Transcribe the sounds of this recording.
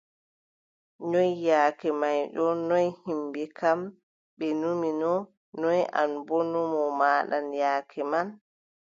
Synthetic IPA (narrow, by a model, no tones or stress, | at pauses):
ɲɔjjaːkɛmajɗɔnɔjhimbɛkam | ɓɛnuminɔ | nɔjʔa̰nbɔnɔmɔmaːɗanjaːkʰɛman